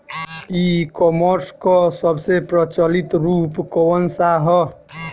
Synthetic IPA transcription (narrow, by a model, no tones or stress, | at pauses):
ikɔməɾskɔsəbsepɾət͡ʃəlit̪ɾupkɔwənsaɦɔ